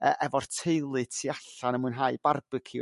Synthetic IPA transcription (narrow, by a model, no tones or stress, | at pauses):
ə̰ʔɛvɔrtʰejlˠɨtʰiaɬanəmuɨnɦaːɨb̥arb̥ɨkʰi